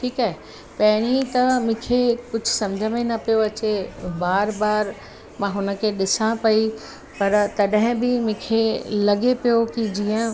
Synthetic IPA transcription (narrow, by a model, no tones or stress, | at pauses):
ʈʰiːkaːɦe | pɐɦɪɽ̃it̪ɐmʊ̃ːkʰekʊd͡ʑʱʊsɐ̃md͡ʑʱəmẽnɐpijoɐt͡ɕebaːɾbaːɾ | mãɦʊnə̆kʰeɗɪsãpɐi | pɐɾt̪ɐɗɦɪ̃bɪmʊ̃kʰelɐɠepijokid͡ʑiːə̃